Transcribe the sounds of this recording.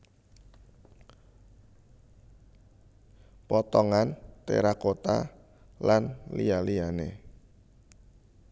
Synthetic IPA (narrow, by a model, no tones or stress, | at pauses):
pɔt̪ɔŋant̪ḛɾakot̪a̰ | lanlialianḛ